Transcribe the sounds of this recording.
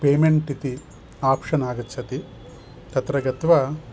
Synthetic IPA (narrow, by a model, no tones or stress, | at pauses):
peːmeɳʈit̪i | aːpʂɐnaːɡɐt̪ːt͡ʃʰɐt̪i | t̪ɐt̪ɾɐɡɐt̪ʋɐ